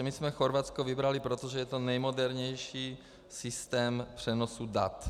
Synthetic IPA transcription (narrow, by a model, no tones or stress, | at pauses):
ɛmismɛxoɾvat͡skovɪbɾalɪpɾot̪oʒɛjɛt̪o̞nɛjmodɛɾɲɛjʃiː | sɪst̪ɛːmpr̝̥ɛnosuda̰t̪